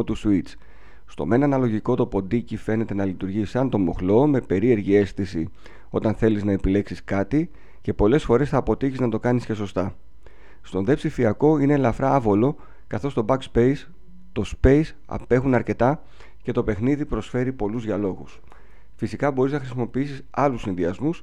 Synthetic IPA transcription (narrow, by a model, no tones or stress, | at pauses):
ot̪usuit͡s | st̪o̞̰me̞nɐnɐlo̞ʝiko̞t̪o̞po̞nd̪icife̞ne̞t̪e̞nɐlit̪uɾʝisɐnt̪o̞mo̞̰xlo̞me̞pe̞ɾie̞ɾʝie̞sθisi | o̞t̪ɐnθe̞liznɐe̞pile̞ksiskɐt̪i | ce̞po̞le̞sfo̞ɾe̞sθɐːpo̞t̪içiznɐt̪o̞kɐnisce̞so̞st̪ɐ | st̪o̞nðe̞psifiɐko̞ine̞lɐfɾɐɐvo̞lo̞ | kɐθo̞st̪o̞bɐkspe̞js | t̪o̞spe̞js | ɐ̰pe̞xunɐɾce̞t̪ɐ | ce̞t̪o̞pe̞xniðipɾo̞sfe̞ɾipo̞luzðʝiɐlo̞ɣus | fisikɐbo̞ɾiznɐxɾisimo̞piisisɐlusinðiɐzmus